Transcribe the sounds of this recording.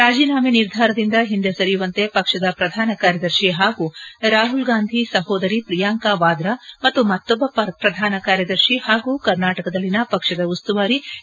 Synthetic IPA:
ɾaːd͡ʒiːnaːmeniɾd̪ʱaːɾɐd̪ind̪ɐɦind̪esɐɾijuʋɐnt̪epɐkʂɐd̪ɐpɾɐd̪ʱaːnɐkaːɾjɐd̪ɐɾʃiɦaːɡuːɾaːɦulɡaːnd̪ʱisɐɦoːd̪ɐɾipɾijaːŋkaːʋaːd̪ɾɐmɐt̪ːumɐt̪ːɔbːɐppɾɐd̪ʱaːnɐkaːɾjɐd̪ɐɾʃihaːɡuːkɐɾnaːʈɐkɐd̪ɐlːinɐpɐkʂɐd̪ɐust̪uʋaːɾi

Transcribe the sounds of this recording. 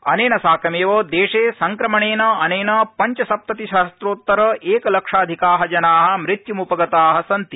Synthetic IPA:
ɐ̰neːnɐsaːkɐmeːʋoːd̪eːʂeːsɐŋkɾɐmɐɳeːnɐɐneːnɐpɐɲt͡ʃɐsɐp̚t̪ɐt̪iʃaːst̪ɾoːt̪ːɐɾɐʔeːkɐlɐkʂaːd̪ʱikaːɦɐd͡ʒɐnaːɦɐ̆mɾit̪jumupɐɡɐt̪aːɦɐsɐnt̪i

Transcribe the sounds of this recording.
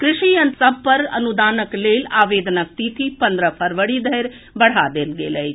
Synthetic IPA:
kɾɪʃijənsəb̚pəɾɐ̰nud̪aːnəkleːlaːʋeːd̪nək̚t̪it̪ipə̃nd̪ɾəpʰəɾʋəɽid̪ʱəjɾ | bɐɽ̤ad̪elɡḛːləj

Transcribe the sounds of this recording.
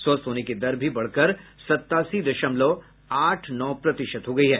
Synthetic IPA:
soːst̪ɦoːneked̪ɐɾbʱibɐɽ̤kəɾsɐt̪ːaːsid̪ɐʃəmloː | aːʈʰnɔːpɾɐt̪ɪʃət̪ɦoːɡɐiɦɛː

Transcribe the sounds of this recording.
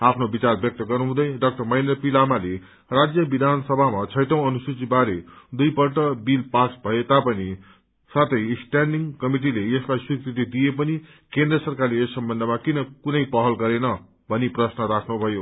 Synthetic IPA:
apʰnobit͡sarbjʌk̚t̪ʌɡʌrnuɦũd̪ʌjɖʌk̚ʈʌrmʌjnʌpilamale | rad͡zjʌbid̪ʱansʌbʱamat͡sʰʌjʈʌw̃ʌnusut͡sibaɾed̪ujpʌrʈʌbilpasbʱʌet̪apʌni | sat̪ʰʌjsʈanɖiŋkʌmiʈ̬ileeslajswikrit̪id̪ijepʌni | kend̪rʌsʌrkarleesːʌmbʌnd̪ʱʌmakinʌkunʌjpʌɦʌlɡʌɾenʌ | bʱʌniprʌsnʌɾakʰnubʱʌjo

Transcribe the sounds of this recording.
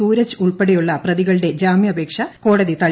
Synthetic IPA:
uːɾɐt͡ɕːɨuɭpeɽejuɭːɐprɐðiɣɐɭɨɽe̞d͡ʑaːmjɐbʱe̞ːkʂɐko̞ːɽɐðit̪ɐɻ

